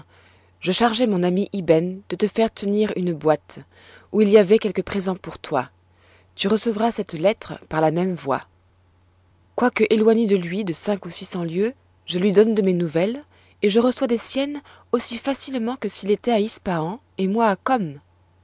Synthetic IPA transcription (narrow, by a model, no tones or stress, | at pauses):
ʒəʃaʁʒɛmɔ̃namiʔibɛnd̪̥ət̪əfɛʁt̪ʰəniʁynbwat̪ | uiliavɛkʲɛlkəpχezɑ̃puʁt̪wa̰ | t̪yʁəsəvʁasɛt̪lɛt̪χəpaʁlamɛmvwa̰ | kwakəʔelwaɲed̪əlɥid̪əsɛ̃kusisɑ̃ljø | ʒəlɥid̪ɔnd̪əmenuvɛl | eʒəʁəswad̪esjɛn | osifasilmɑ̃kəsilet̪ɛaispaɑ̃ | emwaːkɔm